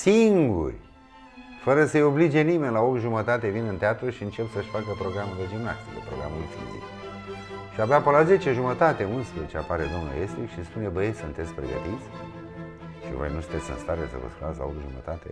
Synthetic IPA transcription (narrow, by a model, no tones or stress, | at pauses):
siŋɡṵrʲ | fəɾəsəjo̞blid͡ʒe̞nime̞nʲlaok̪ʒumət̪at̪e̞vinɨnt̪eat̪ɾuʃiɨnt͡ʃe̞psəʃfakəpɾo̞ɡɾamuɾed͡ʒina̰t̪ilepɾoɡɾamulufḭnzḭt̪ | ʃiabapolaze̞t͡ʃeʒumət̪at̪e̞unspɾəet͡ʃeapaɾe̞d̪o̞mnṵest̪ikʃispune̞bəjesunt̪e̞t̪sʲpɾeɡə̰t̪it̪sʲ | ʃḭvo̰jnusunt̪esʲɨ̰nst̪aɾesə̰və̰skunat̪sʲla̰ot̪ʒumə̰t̪at̪ḛ